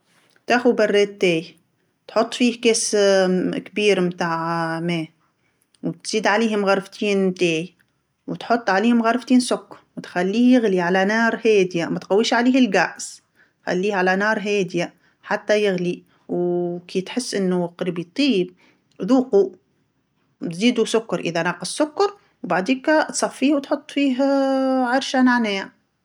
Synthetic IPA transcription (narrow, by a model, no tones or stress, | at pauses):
t̪axubarˤːeːt̪ːeːj | t̪ħʊt̪ˤːfiːhkeːs | kbiːɾmt̪aːʕmeː | wt̪z̥iːd̪ʕaleːhmɣɑɾˤft̪ʰiːnt̪eːj | wt̪ħʊt̪ˤːʕaleːhʊmɣɑɾˤft̪iːnsʊkːwt̪xalːiːjɪɣliʕalanɑːɾˤheːd̪jamat̪qawːiːʃʕaleːhɪlɡaʔs | t̪xa̰lːiːhʕalanɑːɾˤɦeːd̪ja | ħat̪ːajɪɣli | wkʰiːt̪ħɪsːʔɪnːʊqɾbit̪ˤiːb̚ | ðuːqu | t̪ziːd̪usʊkːɑɾˤʔɪðanɑːqɑsːʊkːɑɾˤ | wbaʕd̪iːkat̪sˤɑfːiːhwt̪ħʊt̪ˤːfiːɦʕɑɾˤʃanaʕneːa